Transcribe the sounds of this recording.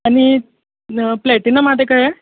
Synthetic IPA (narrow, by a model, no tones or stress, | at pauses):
ani | plɛʈinəmad̪ʱekajɛ